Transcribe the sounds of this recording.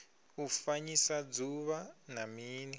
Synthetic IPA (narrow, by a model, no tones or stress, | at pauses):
ufaɲisad͡zuβanamiːnɛ